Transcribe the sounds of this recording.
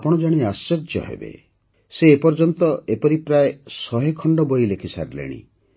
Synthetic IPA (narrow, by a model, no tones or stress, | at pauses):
apɔɽ̃ɔd͡ʒaɽ̃iasːed͡ʒjɔ̰ɦḛbḛ | seːpɔɾd͡ʒɔnt̪ɔepɔɾipɾaesɔɦekʰɔɳɖɔbojlekʰisa̰ɾlḛɽ̃ḭ